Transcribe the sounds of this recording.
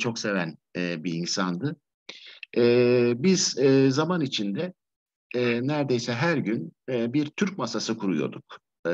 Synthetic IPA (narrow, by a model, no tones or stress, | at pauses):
t͡ʃʰo̞kse̞vænɛbiːnsand̪ɯ | ɛbiz̥ɛzamanit͡ʃʰind̪ɛ | næɾd̪e̞jsɛɦæɾɟynːbiɾt̪ʰyɾc̚masasɯkʰuɾujo̞̰ɾd̪uk